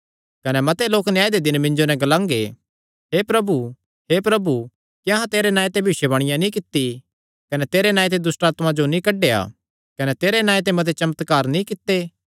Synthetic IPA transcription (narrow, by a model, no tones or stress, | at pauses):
kɐnɛmɐt̪eloːknɪjãːed̪ed̪ɪnmɪ̃ɲd͡ʒonɛ̃ɡɐlãːŋɡe | ɦepɾɐbu | hepɾɐbu | kiɐ̃ɦãt̪eːɾenaːet̪̬ẽbʱiʃebɐɽ̃ɪjãnĩkɪt̪ːi | kɐnɛt̪eːɾenãːjt̪̬ed̪ʊsʈaːt̪mãd͡ʒonĩkɐɖːea̰ː | kɐnɛt̪eːɾenãːet̪̬emɐt̪̬et͡ʃɐmət̪kaːɾnĩkɪt̪ːeː